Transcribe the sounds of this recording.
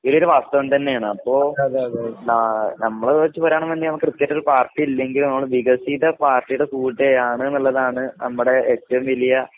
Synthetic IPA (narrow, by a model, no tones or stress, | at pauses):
ioɭoɾuʋaːst̪ɐʋɐnt̪ɐnːe̞jaːɳɨɐpːo̞ːɐnnɐmːɐɭeʋɐit͡ɕːɨpɐɾaːɳɐmʋɐndinɐmukːɨkrɨt̪ːijaːʈːoɾupaːrʈːiilːe̞ŋɡilumnɐmːɐɭʋiɣɐsiðɐpaːrʈːijuɽe̞suːɭʈːeaːɳɨnːɐlːɐðaːɳɨnɐmːuɽe̞eːtːɐʋumʋilijɐ